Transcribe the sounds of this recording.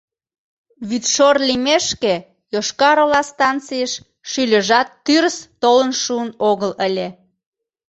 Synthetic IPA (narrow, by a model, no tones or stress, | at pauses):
βyt̪ʃorlimeʃke | joʃkɑɾolɑst̪ɑnt͡sijəʃ | ʃylʲə̆ʒɑt̪ːyɾəst̪olənʃuənoɣələlʲe